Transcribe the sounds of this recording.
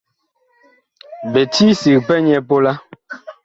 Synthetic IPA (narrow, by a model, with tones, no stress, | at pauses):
bɛ˨ti˦si˨k̚pɛ˦ɲɛ˦po˦la˦